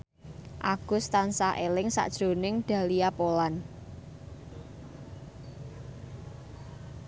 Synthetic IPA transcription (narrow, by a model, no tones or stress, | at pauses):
ʔaɡ̥ʊst̪ansaʔelɪŋsa̰ʔd̥ʒ̥o̤nɪŋɖ̪̥ä̤liapolan